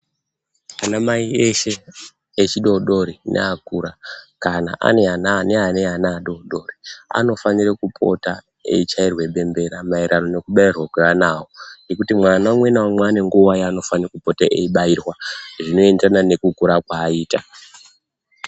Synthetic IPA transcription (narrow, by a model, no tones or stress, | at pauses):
anamaieʃe̞ː | t͡ʃiɗo̞ɗo̞ɾinʔḛakuɾakana̰ʔa̰ne̞anane̞ane̞anaːɗo̞ɗo̞ːria̰no̞fanirekupʰo̞̰ta | e̞̰it͡ʃairwe̞ɓe̞mbe̞ɾamaiɾʔano̞ne̞kuɓairwakwe̞ʋanawoŋɡe̞kutimwanawmwenawamweːne̞ŋɡuʋajaːno̞fanirekupo̞taʔḛiɓairwaʐino̞e̞ndranane̞kukuɾakwaːiːta